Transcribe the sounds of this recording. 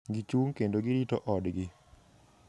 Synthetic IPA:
ɡit͡ʃuŋkendoɡɪɾitɔʔɔdɡɪ

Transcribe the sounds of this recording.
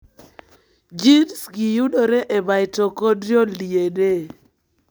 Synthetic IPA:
d͡ʒinsɡijudoɾeʔebajtokodɾjoliede

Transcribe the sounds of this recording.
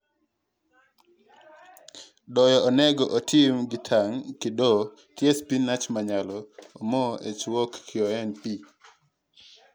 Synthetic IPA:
dɔjɔɔnɛɡɔʔotʰɪmɡɪtʰaŋkɪdɔ | tjɛspinːat͡ʃmaɲalɔomɔʔet͡ʃwɔkːɪɔɛnpi

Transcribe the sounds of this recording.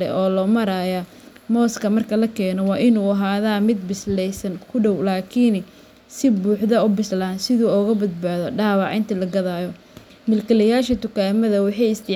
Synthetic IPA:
lɛ̰ʔɔːlɔːmɐɾaːja | mɔːskʰɐmɐrkʰɐlɐkʰɛːnɔwɑːʔɪnuːɐɦaːðaːmɪd̪̚bɪslɛjsɐnkʰʊɖɔwlaːkʰiːn | sɪbuːħðɐʊbɪslaːnsɪðuːɔːɣɐbɐd̪baːðɔɖaːwɑʕɪ̰nt̪ʰɐlɐɡɐðaːjɔ | mɪlkʰɐlɐjaːʃɐt̪ʊkʰaːmɐðɐwɑħɑjɪst̪ʰɪ

